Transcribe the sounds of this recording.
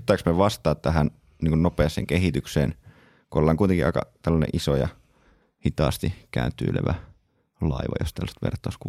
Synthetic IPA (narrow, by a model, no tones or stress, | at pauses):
t̪ːˑɑiksmeʋɑst̪ˑɑːt̪t̪æɦæn | niːŋkunnopeˑːsˑḛːŋkehit̪yksḛːn | kuolːɑːŋkuit̪eŋkiʔɑ̰kɑ̰t̪ælːɑnḛʔisojɑ̰ | hit̪ɑ̰ːst̪ikæːnt̪ːˑy̰ːlḛʋæ | lɑiʋɑ̰jo̰st̪ælːst̪ʋḛrt̪ˑːɑusku